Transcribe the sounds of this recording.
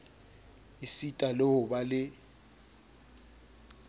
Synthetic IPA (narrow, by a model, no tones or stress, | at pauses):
isitʼaloʊɓalɪ